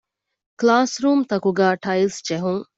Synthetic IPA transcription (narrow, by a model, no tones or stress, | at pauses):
klaːsɾuːmt̪ɐkuɡaːʈɐjlsd͡ʒeɦuŋ